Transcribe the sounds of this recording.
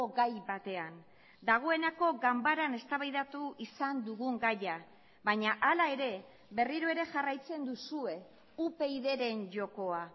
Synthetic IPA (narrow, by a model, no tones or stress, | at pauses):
oɣajβat̪e̞an | d̪aɣ̞o̞e̞nako̞ɡambaɾane̞st̪aβajðat̪uʔisand̪uɣuŋɡaja | βaɲaʔalae̞ɾe̞ | βe̞riɾoe̞ɾe̞ʝarajt͡se̞nd̪usue̞ | upe̞iðe̞ɾe̞nʝo̞ko̞a